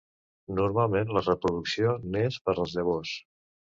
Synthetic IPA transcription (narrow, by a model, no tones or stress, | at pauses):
nuɾmalˠmenlərəpɾuðuksionespəɾəlˠzðəβ̞os